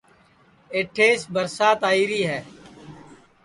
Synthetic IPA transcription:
eːʈʰeːsbəɾsaːt̪aːiːɾiːɦɛː

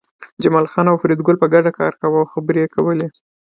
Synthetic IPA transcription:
d͡ʒamɑlxɑnawfɾed̪ɡʊlpəɡaɖakɑ̰ɾkawawxabəɾekawəle

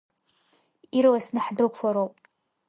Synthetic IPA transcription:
iɾwasnɨħdokʷʰaɾowpʼ

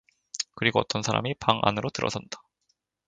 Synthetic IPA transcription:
kɯɾiɡoʌt͈ʌnsʰaɾa̰mipaŋʔa̰nɯɾotɯɾʌ̰sʰʌndḁ

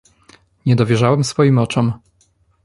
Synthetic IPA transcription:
ɲɛd̪ɔvʲjɛʐawɛmsfɔjimɔt͡ʂɔm

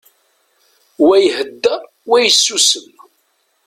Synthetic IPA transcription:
wæjhəd̪ːæ | wæjəsːusən

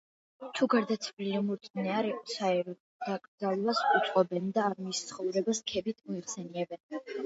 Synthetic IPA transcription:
t̪ʰuɡaɾd̪at̪sʰvlilɛmuɾt̪ʼnɛaɾɛqʼɔsaɛɾɔ | d̪̥akʼɾd̪zalˠvasut̪sʼqʼɔbɛnd̪aːɾmist̪sʰχɔvɾɛbaskʰɛbit̪ʰmɔiχsɛniɛbɛn

